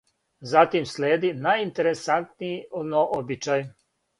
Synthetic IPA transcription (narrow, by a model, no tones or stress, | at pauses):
zat̪imsleːd̪inajint̪eɾesant̪nijinoʔobit͡ʃaj